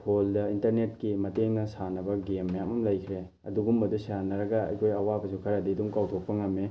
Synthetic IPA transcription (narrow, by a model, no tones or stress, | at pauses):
hʰoldɐintɐɾnet̚kimɐteŋnɐsanɐbɐɡemːɐjamɐmlɐjkʰɾe | ɐ̰duɡumbɐdusjanɐɾɐɡɐɐ̰jkʰojɐwabɐsukʰɐɾadiduŋkawtʰok̚pɐŋɐmːe